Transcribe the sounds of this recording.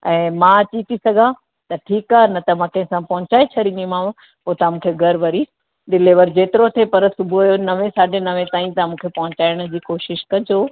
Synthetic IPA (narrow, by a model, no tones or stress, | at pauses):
ɛ̃ːmãɐt͡ɕit̪ʰisɐɡʱã | t̪ɐʈʰiːkaːnɐt̪ɐmãːkɐ̃ɦɪ̃sãpɐɦʊ̃t͡ɕaːet͡ɕʰɐɽĩnimãː | poːt̪amũːkʰeɡʱɐɾʋɐɾi | ɗɪleʋɐɾd͡ʑeːt̪ɪɾot̪ʰepɐɾsʊbʱuɐjonɐʋẽsaːɖʱenɐʋẽt̪aːĩt̪ɐmũːkʰepɐɦʊ̃t͡ɕaːɪɽ̃ʊ̆d͡ʑiːkoːʃɪʃkɐ̃d͡ʑoː